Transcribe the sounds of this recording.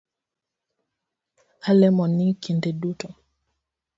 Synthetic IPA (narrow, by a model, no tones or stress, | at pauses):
alɛmɔnikindɛɗutɔ